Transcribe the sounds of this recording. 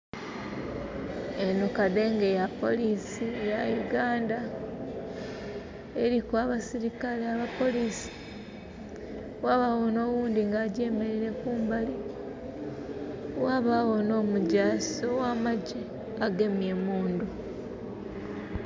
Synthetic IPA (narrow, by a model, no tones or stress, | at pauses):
enukade̞ŋɡe̞japo̞̰lisijajuɡaːnda | e̞ɾikwaβasiɾikaleaβapo̞liːsi̥ | waːβawo̞no̞ːwuːndiŋɡaːɟe̞me̞ɾiɾe̞kuːmbali | waːβawo̞no̞ːmuɟaːsowaːmaɟe | aɡe̞mje̞muːndu